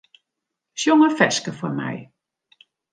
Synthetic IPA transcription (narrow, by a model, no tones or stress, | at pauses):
sjɔŋəfɛskəfɔmɛ̰j